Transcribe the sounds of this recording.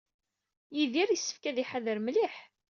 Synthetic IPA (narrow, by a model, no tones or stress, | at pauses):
jiðiɾjəsːə̥fkæðiħaðəɾmliħ